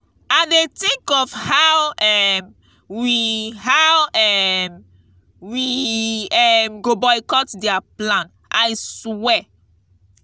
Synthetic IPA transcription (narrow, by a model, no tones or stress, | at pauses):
adetĩŋkɔfhawɛm | wihawɛm | wi | ɛmɡobɔjkɔtdɛaplãn | ʔajswɛ